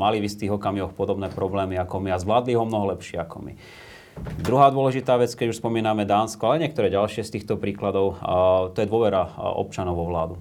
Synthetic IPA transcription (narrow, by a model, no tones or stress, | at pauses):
malivist̪iːɣɔkamiʋɔxpɔd̪ɔbnɛːpɾɔblɛːmiakɔmiazʋlaːd̪liɦɔmnɔɦɔlɛpʃɪɛakɔmḭ | d̪ɾuɦaːd̪ʊɔlɛʒit̪aːʋɛt͡skɛɟuʃspɔmiːnamɛd̪aːnskɔalɛɲɪɛkt̪ɔɾɛːɟalʃɪɛst̪iːxt̪ɔpɾiːklad̪ɔʊt̪ɔjɛd̪ʊɔʋɛɾaɔ̰p̚t͡ʃanɔʊʋɔʋlaːd̪u